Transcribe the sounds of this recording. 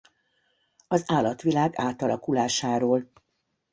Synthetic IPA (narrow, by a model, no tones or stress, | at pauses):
ɒzaːlɒt̪ʋilaːɡaːt̪ɒlɒkulaːʃaːɾoːl